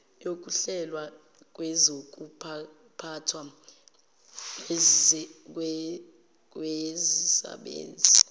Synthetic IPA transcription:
jok̬ʼuɬɛlwa | k̬ʼwɛzok̬ʼupʰa | pʰatʰwa | w | k̬ʼwezisa̰ɓḛːnd͡zʱi

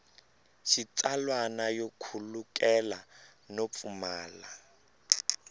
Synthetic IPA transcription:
ʃit͡sʼalwanajokʰulukʼɛlanop̪fumaːla

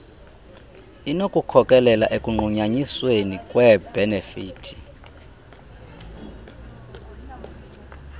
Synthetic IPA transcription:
inokʼukʰɔkʼɛlɛlaʔekʼuŋ͡ǃuɲaɲiswenikʼwɛbɛnefiːtʰi̥

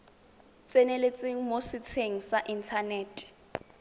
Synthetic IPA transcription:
t͡sʼɛnelet͡sʼeŋ̩mosɪt͡sʰeŋ̩saʔintʰaneːtʼɛ̥

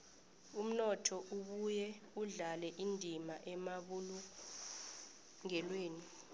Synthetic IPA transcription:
um̩nɔtʰɔʔuɓujɛuɮalɛʔindʱimaʔɛmaɓulu | ŋɛlweːni

